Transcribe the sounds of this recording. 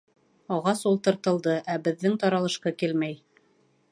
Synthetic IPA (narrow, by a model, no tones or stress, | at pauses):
ɑʁɑsulˠt̪ɤ̆ɾt̪ɤ̆lˠd̪ɤʔæbɘ̆ðːɘŋt̪ɑɾɑlˠɤ̆ʃqɑkilmæj